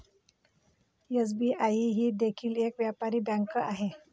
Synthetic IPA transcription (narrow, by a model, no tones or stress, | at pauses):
es̬biaiɦiːd̪ekʰiːlekʋjapaɾiːbãŋkəaɦe